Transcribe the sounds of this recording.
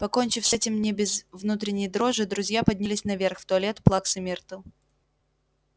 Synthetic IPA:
pɐko̞nʲt͡ɕɪfsʲɛtʲɪmnʲɪbʲɪzvnut̪ɾʲɪnʲɪjd̪ɾo̞ʐɨd̪ɾʊzʲjapɐdʲnʲɪlʲɪsʲnɐvʲerxft̪ʊɐlʲe̞t̪plˠaksɨmʲert̪ʊ

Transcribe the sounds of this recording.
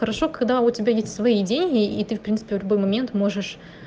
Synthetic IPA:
xəɾɐʂo̞kɐɡd̪aʊtʲɪbʲajesʲtʲsvɐidʲenʲɡʲɪit̪ɨfpɾʲintsɨ̥pʲɪvlʲʊbo̞jmɐmʲe̞nt̪mo̞ʐɨʂ

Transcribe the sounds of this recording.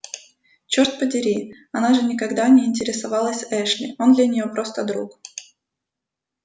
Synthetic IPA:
t͡ɕort̪̚pədʲɪɾʲi | ɐnaʐɨnʲɪkɐɡd̪anʲɪɪnʲtʲɪɾʲɪsɐvɑlˠəsʲɛʂlʲɪ̰o̞nd̪lʲɐnʲɪjo̞pɾo̞st̪əd̪ɾuk

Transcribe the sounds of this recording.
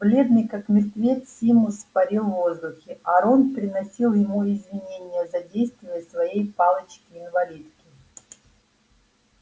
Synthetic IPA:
blʲe̞d̪nʲɪjkakmʲɪrt̪vʲetsʲimʊspɐɾʲilˠvo̞zd̪ʊxʲɪʔɐɾonpɾʲɪnɐsʲilˠjɪmuɪzvʲɪnʲenʲɪjəzɐdʲejst̪vʲɪjəsvɐjejpalˠət͡ɕkʲɪɪnvɐlʲit̪kʲɪ

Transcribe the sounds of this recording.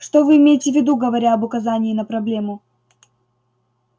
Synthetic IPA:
ʂt̪ovɨːmʲejɪtʲɪvʲɪd̪uɡəvɐɾʲaɐbʊkɐzanʲɪːnəpɾɐblʲe̞mʊ

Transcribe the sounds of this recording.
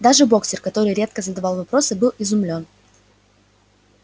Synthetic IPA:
d̪aʐɨbo̞ksʲɪrkɐt̪o̞ɾɨjɾʲe̞t̪̚kəzəd̪ɐvalˠvɐpɾo̞sɨbɨlˠɪzʊmlʲo̞n

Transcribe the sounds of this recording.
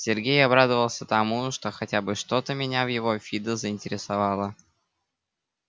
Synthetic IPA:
sʲɪrɡʲejɐbɾad̪əvəlˠsʲət̪ɐmuʂt̪o̞xɐtʲabɨʂt̪o̞t̪əmʲɪnʲavjɪvo̞fʲid̪əzəɪnʲtʲɪɾʲɪsɐvɑlˠə

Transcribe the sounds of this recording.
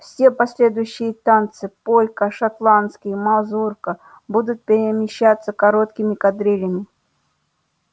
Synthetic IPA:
fsʲe̞pɐsʲlʲed̪ʊjʊɕːɪjət̪ant̪sɨpolʲkəʂɐt̪lˠant̪skʲɪjmɐzurkə | bud̪ʊt̪̚pʲɪɾʲɪmʲɪɕːat̪sːəkɐɾot̪kʲɪmʲɪkɐd̪ɾʲilʲɪmʲɪ

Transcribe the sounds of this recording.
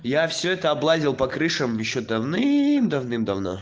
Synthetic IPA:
jafsʲɵɛt̪əɐblˠazʲɪlˠpɐkɾɨʂəmjɪɕːod̪ɐvnɨmd̪ɐvnɨmd̪ɐvno̰

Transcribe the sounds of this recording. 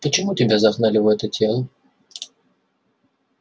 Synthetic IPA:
pət͡ɕɪmutʲɪbʲazɐxnalʲɪvəɛt̪ətʲʰelˠə

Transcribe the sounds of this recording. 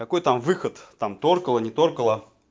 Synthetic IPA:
kɐkojt̪amvɨxət̪ːamt̪orkəlˠənʲɪt̪orkəlˠə

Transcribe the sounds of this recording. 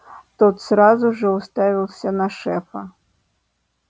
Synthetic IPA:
t̪ɔt̪sɾazuʐɔwst̪avʲilˠsʲɐnɐʂɛfɐ

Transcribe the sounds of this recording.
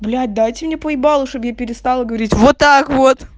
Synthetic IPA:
blʲæd̪̚ʲd̪ajtʲɪmnʲepəjbɑlˠəʂt̪objapʲɪɾʲɪst̪ɑlˠəɡəvɐɾʲitʲvot̪ːakvot̪

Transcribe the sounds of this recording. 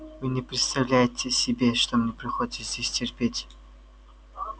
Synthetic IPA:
vɨnʲɪpɾʲɪt̪st̪ɐvlʲæjɪtʲɪsʲɪbʲeʂt̪omnʲepɾʲɪxodʲɪt̪zd̪ʲesʲtʲɪrpʲetʲ

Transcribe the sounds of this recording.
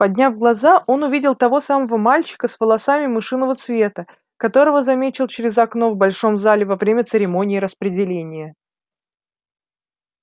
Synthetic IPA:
pɐdʲnʲavɡlˠɐzaʔo̞nʊvʲidʲɪlˠt̪ɐvo̞saməvəmalʲt͡ɕɪ̥kəsvəlˠɐsamʲɪmɨʂɨnːəvət̪svʲe̞t̪ə | kɐt̪o̞ɾəvəzɐmʲet͡ɕɪlˠt͡ɕɪɾʲɪzɐkno̞vbɐlʲʂo̞mzalʲɪvɐvɾʲemʲət̪sɨɾʲɪmo̞nʲɪːɾəspɾʲɪdʲɪlʲenʲɪjə

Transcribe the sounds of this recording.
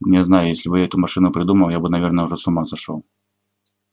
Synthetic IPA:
nʲjʲɛznajʊjesʲlʲɪbɨjaɛt̪ʊmɐʂɨnʊpɾʲɪd̪uməlˠjabɨnɐvʲernəjəʊʐɛsʊmazɐʂo̰lˠ

